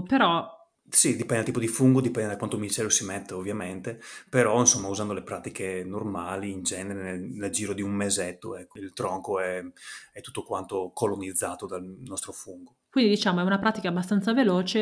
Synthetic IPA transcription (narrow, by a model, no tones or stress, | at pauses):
peɾɔ | sid̪ipɛnd̪lt̪iːp̬od̪ifuŋɡod̪ipɛnd̪ed̪akwant̪ominist̪ɛːɾjosimet̪ːeovːjament̪epeɾɔinsomːauzand̪olepɾaːt̪ikʰenormaːliːnd͡ʒɛneɾeneneld͡ʒiːɾod̪iummezɛt̪ːoɛkːoilt̪ɾɔŋkoɛɛt̪ːu̥t̪ːokwant̪okolonid̪zːaːt̪od̪alnɔst̪ɾofuŋɡokwind̪id̪it͡ʃaːmoɛunapɾaːt̪ikaːbːast̪ant̪savelɔːt͡ʃe